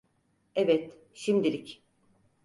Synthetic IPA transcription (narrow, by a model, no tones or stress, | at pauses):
ɛvɛt̪ | ʃimd̪ilʲic